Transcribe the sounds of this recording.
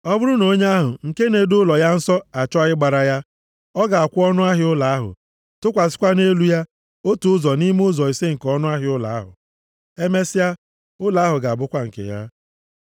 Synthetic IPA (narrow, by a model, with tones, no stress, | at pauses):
ɔ˦bʊ˦ɾʊ˦no˨˦ɲe˦a˦ɦʊ̰˨ŋ̩˨ke˦ne˨dʊ˦lɔ˨ja˦n̩˦sɔ˦a˨t͡ʃɔ˦ɪ˦ɡ͡ba˨ɾa˨ja˦ | ɔ˦ɡa˨a˨kʷʊ˦ɔ˦nʊ˦a˦ɦɪ˦ʊ˦la˨a˦ɦʊ̰˨ | tʊ˦kʷa˨sɪ̥˦kʷa˦ne˦lu˦ja˦ | o˦tu˨ʊ˦zɔ˨ni˦m˦ʊ˦zɔ˨i˨se˦ŋ̩˨kɔ˦nʊ˦a˦ɦɪ˦ʊ˦la̰˨a˦ɦʊ̰˨ | e˦me˦sɪ˦ja˦ | ʊ˦la˨a˦ɦʊ˨ɡa˨a˨bʊ˦kʷa˦ŋ̩˨kḛ˨ja̰˦